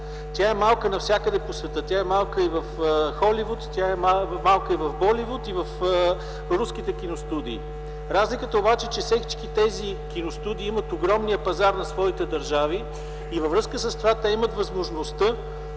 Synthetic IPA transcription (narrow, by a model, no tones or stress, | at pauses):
t̪jaɛmalˠkənɐfsʲakəd̪ɛposvɛt̪ɤt̪ʲaɛmalˠkəivəfxɔlivut̪t̪ʲjaɛmamalˠkəivɐvbɔlivut̪ivəf | ɾusk̟it̪ɛk̟ʲinost̪ud̪iː | ɾazlikət̪əobat͡ʃɛt͡ʃɛfsɛki̥t͡ʃkit̪ɛzikʲinost̪ud̪iːimət̪oɡɾɔmniəpɐzaɾnɐsvɔit̪ɛd̪ɐɾʒaviː | vəvɾɤskəsəst̪ovat̪ɛimət̪vɐzmoʒnost̪ə